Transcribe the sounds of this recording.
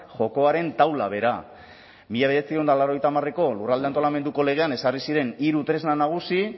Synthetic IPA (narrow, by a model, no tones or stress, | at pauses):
ʝo̞ko̞aɾe̞nt̪awla̰βe̞ɾa̰ | miʎaβeɾet͡siend̪alaɾo̞ejt̪amare̞ko̞lurald̪eant̪oame̞nd̪uko̞le̞ɣ̞e̞ane̞sarisiɾe̞niɾut̪ɾe̞znanaɣ̞usi